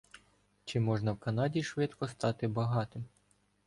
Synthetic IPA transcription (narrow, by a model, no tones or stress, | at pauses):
t͡ʃɪmɔʒnɐwkɐnɑdʲiʃʋɪt̪kɔst̪ɑt̪ɪbɐɦɑt̪ɪm